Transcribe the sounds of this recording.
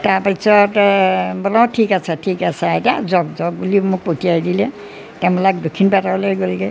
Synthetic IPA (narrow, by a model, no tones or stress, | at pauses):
taɹpasɔtbɔlɔtʰːikasɛtʰikasaɛtazɔɡzɔɡ̚bulimʊk̚potiajdilɛ | tɛmɔlak̚dokʰːinpatabɔlajɡolɡɛ